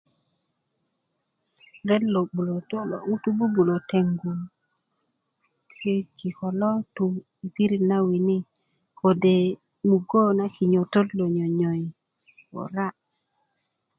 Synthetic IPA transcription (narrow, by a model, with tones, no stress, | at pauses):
ɾɛ˦llo˨bu˨lo˨to˦l̰u˦tu˦bu˦bu˨lo˨te˨ŋɡu˨l | ki˦ki˨kɔ˨lɔ˦tu˨ | ki˦ɾi˨na˦wi˨ni˦ | ko˨de˨ | mu˨ɡo˦na˦ki˨ɲo˨to˦llo˨ɲɔ˨ɲɔ˨j | wo̰˨ɾa˦